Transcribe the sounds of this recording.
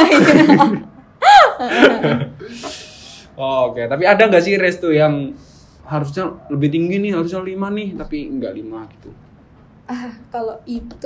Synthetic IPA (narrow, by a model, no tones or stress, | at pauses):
ooket̪ap̬iadaŋɡaʔsihɾɛst̪ujaŋ | ɦaɾus̬ɲaləbɪht̪iŋɡinɪhɦaɾus̬ɲalimanɪht̪apiŋɡa̰ʔlimaɡi̥t̪u | ahkaloit̪